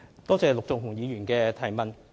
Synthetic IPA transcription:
t̪ɔː˥t͡sɛː˨lʊ˨k̚t͡sʊ˨ŋ̚ɦʊ˨˩ŋjiː˨˧jyː˨˩nkɛː˧t̪ʰɐ˨˩jmɐ˨n

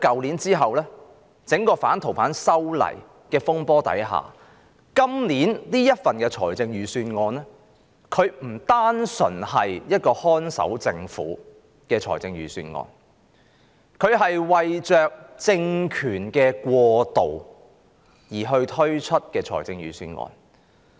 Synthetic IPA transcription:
kɐ˨wliː˨˥nt͡siː˥ɦɐ˨wlɛː˥ | t͡sɪ˨˥ŋkɔː˧faː˨˥nt̪ʰo˨˩wpʰaː˨˥nsɐ˥wlɐ̰˨˩j | kɛː˧fʊ˥ŋpɔː˥t̪ɐ̰˨˥jɦa̰ː˨˩ | kɐ˥mliː˨˥nniː˥jɐ˥t̚fɐ˨nkɛː˧t͡ʃʰɔː˨˩jt͡sɪ˧ŋjyː˨˧syː˧nŋɔː˧nɛː˥ | kʰɵ˨˧ɥm̩˨˩t̪aː˥nsɵ̰˨˩nhɐ˨jjɐ˥t̚kɔː˧hɔː˥nsɐ̰˨˥wt͡sɪ˧ŋfṵː˨˥ | kɛː˧t͡ʃʰɔ̰ː˨˩jt͡sɪ˧ŋjyː˨˩sy̰ː˧nŋɔ̰ː˧n | kʰɵ˨˧ɥɦɐ˨jwɐ˨jt͡ʃœː˨k̚t͡sɪ˧ŋkʰyː˨˩nkɛː˧kwɔː˧t̪o̰˨˩w | jiː˨˩ɦɵ˧ɥt̪ʰɵ˥ɥt͡ʃʰɵ˥t̚kɛː˧t͡ʃʰɔː˨˩jt͡sɪ˧ŋɥyː˨˧sy̰ː˧nŋɔ̰ː˧n

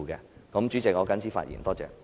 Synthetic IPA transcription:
kɛ˧kɔ˨˥mt͡ʃy˨˥t͡sɪ˨k̚ŋɔː˨˧kɐ˥nsʰiː˥fa̰ː˧t̚jḭ˨˩nt̪ɔː˥t͡sɛ̰ː˨k

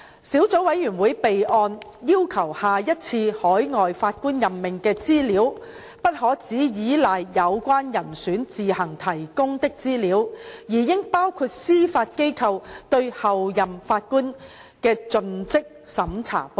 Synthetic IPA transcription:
siː˨˥wt͡so˨˥wɐ˨˧˥jːyː˨˩nwuː˨˥jpe˨jʔɔː˧njiː˥wkʰɐ˨˩whaː˨jɐ˥t̚t͡sʰiː˧hɔː˨˥jŋɔː˨jfaː˧t̚kuː˥njɐ˨˩mːɪ˨ŋkɛː˧t͡siː˥liː˨˥w | pɐ˥t̚ɦɔː˨˥t͡siː˨˥jiː˨˥lɐ˨˩jjɐ˨˧wkʷaː˥njɐ˨˩nsyː˨˥nt͡siː˨hɐ˨˩ŋt̪ʰɐ˨˩jkʊ˥ŋt̪ɪ˥k̚t͡siː˥liː˨˥wjiː˨˩jɪ˥ŋpaː˥wkʰuː˧t̚siː˥faː˧t̚ke˥jkʰɐ˧wt̪ɵ˧ɥhɐ˨wjɐ˨mfaː˧t̚kuː˥n | kɛː˧t͡sɵ˧nt͡sɪ˥k̚sɐ˨˥mt͡sʰa̰ː˨˩po˧

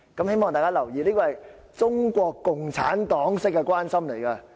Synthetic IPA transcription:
kɐ˨˦mhe˥jmɔː˨ŋt̪aː˨jkaː˥lɐ˨˩wjiː˨˧liː˥kɔː˧hɐ˨j | t͡sʊ˥ŋkʷɔː˧kːʊ˨˩ŋt͡sʰa̰ː˨˥nt̪ɔː˨˥ŋsɪ˥kːɛ˧kʷaː˥nsɐ˥mle˨˩jkɐ˧

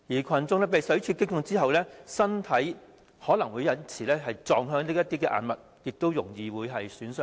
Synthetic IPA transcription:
jiː˨˩kʷʰɐ˨nt͡sʊ˧ŋlɛː˥pe˨jsɵ˨˥ɥt͡ʃʰyː˧kɪ˥k̚jʊ˧ŋt͡siː˥ɦɐ˨wlɛː˥sɐ˥nt̪ʰɐ˨˥j | hɔː˨˥lɐ˨˩ŋwuː˨˧jɐ˨˧nt͡sʰiː˨˩lɛː˥ɦɐ˨jt͡sɔː˨˧ŋɦœː˧ŋliː˥jɐ˥t̪iː˥kɛː˧ʔa̰ː˨nmɐ˨t̚ | jɪ˨k̚t̪o˥wjʊ˨˩ŋjiː˨wuː˨˧jɦɐ˨jsyː˨˥nsœː˧˥

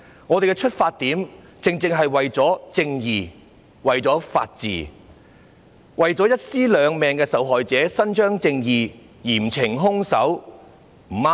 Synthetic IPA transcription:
ŋɔː˨˧t̪e˨jkɛ˧t͡ʃʰɵ˥t̚faː˧t̚t̪iː˨˥m | t͡sɪ˨ŋt͡sɪ˧ŋɦɐ˨jwɐ˨jt͡sɔː˨˥t͡sɪ˧ŋjiː˨ | wɐ˨jt͡sɔː˨˥fa̰ː˧t̚t͡sḭː˨ | wɐ˨jt͡sɔː˨˥jɐ˥t̚siː˥lœː˨˧ŋmɛː˨ŋkɛː˧sɐ˨˥wɦɔː˨jt͡sɛː˨˥sɐ˥nt͡ʃœː˥ŋt͡sɪ˧ŋjiː˨˩ | jiː˨˩m̩t͡sʰɪ˨˩ŋɦʊ˥ŋsɐ̰˨˥w | m̩˨˩ma˥

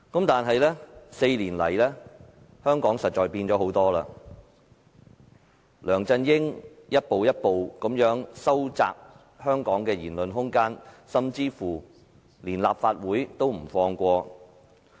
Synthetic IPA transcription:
kɐ˨˥mt̪aː˨nɦɐ˨jlɛː˥se˧jliː˨˩nlɐ̰˨˩jlɛː˥ | hœː˥ŋkɔː˨˥ŋsɐ˨t̚t͡ʃɔː˨jpiː˧nt͡sɔː˨˥ho˨˥wt̪ɔː˥la̰ː˧ | lœː˨˩ŋt͡sɐ˧njɪ˥ŋjɐ˥t̚po˨wjɐ˥t̚po˨wkɐ˨˥mjœː˨˥ŋsɐ˥wt͡sa̰ː˧k̚ | hœː˥ŋkɔː˨˥ŋkɛː˧jiː˨˩nlɵ˨nɦʊ˥ŋkaː˥nsɐ˧mt͡siː˥fuː˨˩ | liː˨˩nlaː˨p̚faː˧t̚wuː˨˥jt̪o˥wm̩˨˩fɔː˧ŋkʷɔː˧

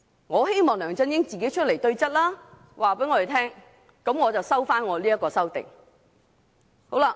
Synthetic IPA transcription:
ŋɔː˨˧ɦe˥jmɔː˨˩ŋlœː˨˩ŋt͡sɐ˥njɪ˥ŋt͡siː˨ke˨˥jt͡ʃʰɵ˥le˨˩jt̪ɵ˧ɥt͡sɐ˥t̚laː˥ | wʔaː˨˩pe˨˥jŋɔː˨˧ɾe˨˩t̪ʰɛː˥ŋ | kɐ˨˥mŋɔː˨˧t͡sɐ˨wsɐ˥wfaː˥nŋɔː˨˧liː˥ɐ˥kːɔː˧sɐ˥wt̪ɪ̰˨ŋ | ho˨˥wla˧

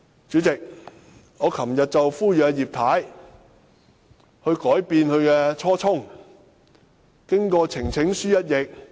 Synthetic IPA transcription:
t͡ʃyː˨˥t͡sɪ˨k̚ | ŋɔː˨˧kʰɐ˨˩mjɐ˨t̚t͡sɐ˨wfuː˥jjiː˨p̚t̪ʰaː˨˥j | hɵ˧ɥkɔː˨˥jpiː˧nhɵ˧ɥkɛː˧t͡sʰɔː˥t͡sʰʊ˥ŋ | kɪ˥ŋkɔː˧t͡sʰɪ˨˩ŋt͡sʰɪ˨˥ŋsyː˥jɐ˥t̚jɪ˨k̚

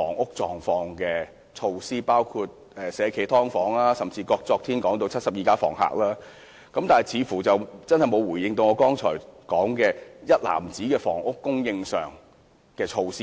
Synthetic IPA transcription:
fɔː˨˩ŋʔʊ˥k̚t͡sɔː˨˩ŋfɔː˧ŋkɛː˧ | t͡ʃʰo˧wsiː˥paː˥wkʰuː˧t̚ | ɛː˨˧sɛː˨˧kʰe˨˩jt̪ʰɔː˥ŋfɔː˨˥ŋlaː˥sɐ˨mt͡siː˧kɔː˧k̚t͡sɔː˧k̚t̪ʰiː˥nkɔː˨˥ŋt̪o˧wt͡sʰɐ˥t̚sɐ˨p̚jiː˨˩kaː˥fɔ̰ː˨˩ŋɦa̰ː˧˨k̚laː˥ | kɐ˨˥mt̪aː˨˩˨jt͡sʰiː˨˧fuː˨˩t͡sɐ˨wt͡sɐ˥nhɐ˨˩jmo˨˧wuː˨˩jɪ˧ŋt̪o˧wŋɔː˨˧˥kɔː˥ŋt͡ʃʰɔ̰ː˨˩jkɔː˨˥ŋkɛː˧jɐ˥t̚la̰ː˨˩mt͡siː˨˥kɛː˧fɔ̰ː˨˩ŋʔʊ˥kːʊ˥ŋjɪ˧ŋsœː˨˩ŋ | kɛː˧t͡ʃʰo˧wsiː˥

